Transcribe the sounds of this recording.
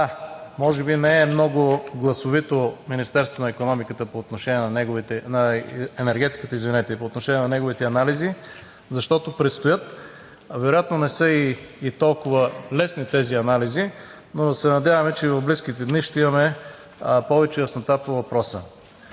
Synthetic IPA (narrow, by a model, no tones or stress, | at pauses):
amɔʒɛbinɛːmnɔɡʊɡlˠɐsovit̪ominist̪ɛɾso̥t̪onɐikonɔmikət̪əpoːt̪noʃɛnʲɛnɐnɛɡvit̪ɛnɐɛnɛɾɡʲɛt̪i̥kət̪əizvinɛt̪ɛpoːt̪noʃɛnʲiɛnɐnɛɡovit̪ɛɐnalizi | zɐʃt̪ɔt̪opɾɛt̪st̪ojɤt̪ | vɛɾojat̪nonɛsɤiːt̪ɔlˠkʊvəlɛsnit̪ɛziɐnalizi | nosɛnɐd̪ʲjavɐmɛt͡ʃɛivɐvblisk̟it̪ɛd̪niʃt̪ɛimɐmɛ | pɔvɛt͡ʃɛjəsnot̪apovɐpɾɔsə̰